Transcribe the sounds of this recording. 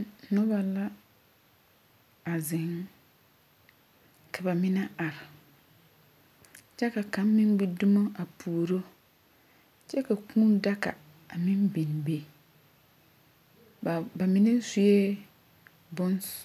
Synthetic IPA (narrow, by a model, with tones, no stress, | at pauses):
nʊ˦ba˨la˦ | a˨zɪ˨ŋ | kʰa˨ba˨mɪ˦na˦a˨ɾɪ˨ | t͡ʃɛ˦ka˨ka˨˦mː˦ɪ˦m˦ɡ͡bi˦dʊ˦ma˦a˨pʰuː˨ɾo˦ | t͡ʃɛ˦ka˨kuː˦n˦da˦ka̰˨ | a˨mɪ˦mbi˨n˨be˨ | ba˨mɪ˦na˦su˦je˦ | bʊ˦ns